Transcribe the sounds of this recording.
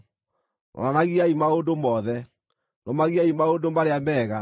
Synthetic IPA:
nɔ̰nanaɣiaimaondomɔðɛ | nɔmaɣiaimaondomaɾeamɛɣa

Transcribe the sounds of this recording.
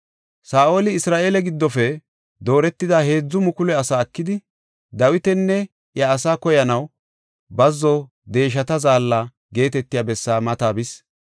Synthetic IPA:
saːʔo̞ːlɪɪsɾaːʔe̞ːlɛɡɪd̪ːɔfɛ | d̪o̞ːɾɛt̪ːɪd̪ahe̞ːd͡zːʊmʊkʊlɛɐsaːɐkːɪd̪ɪ | d̪ɐwɪt̪ɛnːɛ | jɐːsaːkɔjɐnɐw | bɐzːɔ | d̪e̞ːʃ̬ɐt̪ɐzaːlːa | ɡe̞ːt̪ɛt̪ːɪjaːbɛsːaːmɐt̪aːbɪs

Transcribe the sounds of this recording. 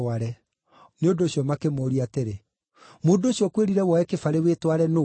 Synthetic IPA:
aɾɛ | neondoɕiɔmakemoːɾiateɾe | moːndoɕiɔkweɾiɾɛwɔɛkefaɾewetwaɾɛno

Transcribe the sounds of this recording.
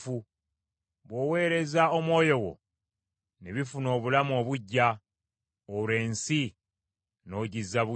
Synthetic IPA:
fu | βwo̞ːwe̞ːɾe̞zaomwo̞ːjo̞wo̞̰ | neβifuno̞ːβulamo̞ːβuɟːa | ole̞ːnsi | no̞ɟizːaβu

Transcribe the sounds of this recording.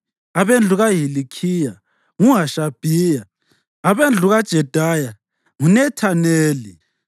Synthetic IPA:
aβend͡ɮʱuɣaɦilikʰija | ŋuŋaʃab̥ʱiːja | aβend͡ɮʱuɣad̥ʒ̥ʱɛd̥ʱaja | ŋunɛtʰaneːli

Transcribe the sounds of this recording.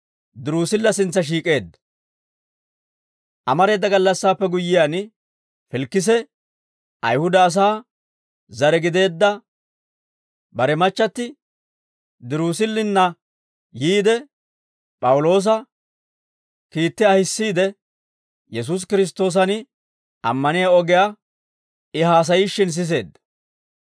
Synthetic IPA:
d̪ɪɾuːsɪlːɐsɪnt͡sːɐʃ̬iːkʼe̞ːd̪ːɐ̥ | ʔɐmɐɾe̞ːd̪ːɐɡɐlːɐsːaːpːɛɡʊjːɪjan | fɪlkːɪs̬ɛ | ʔɐjhʊd̪ɐːs̬aː | zɐɾɛɡɪd̪e̞ːd̪ːɐ | bɐɾɛmɐt͡ʃːɐt̪ːɪ | d̪ɪɾuːs̬ɪlːɪnːɐ | jiːd̪ɛ | pʼɐwʊlo̞ːs̬ɐ | kiːt̪ːɪɐhɪsːiːd̪ɛ | jɛs̬us̬kɪɾɪs̬t̪ːo̞ːs̬ɐn | ɐ̰mːɐnɪjaɔɡɛja | ɪɦaːs̬ɐjiʃːɪns̬ɪs̬e̞̰ːd̪ːɐ

